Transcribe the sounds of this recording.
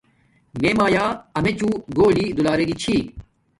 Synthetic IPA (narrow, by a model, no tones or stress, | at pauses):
meːmaːjaːɐmet͡ɕũɡoːliːd̪ulaːɾeɡit͡ɕʰiː